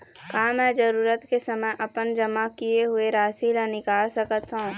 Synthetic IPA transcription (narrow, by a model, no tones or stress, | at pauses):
kaːmɛ̃ːd͡ʒəɾuːɾət̪kesəməjʔɐpənd͡ʒəmakijeɦʊeɾaːsilənɪkaːlsəkət̪ɦũː